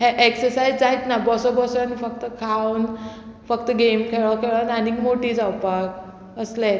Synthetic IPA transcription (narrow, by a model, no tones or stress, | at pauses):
ɦeʔeksəɾsajd͡zd͡zaɦit̪nabɔsɔbɔsanifək̚t̪əkʰawn | fəkt̪əɡemkʰeɭɔkʰeɭananikmoʈiːd͡zawpak | əslẽt̪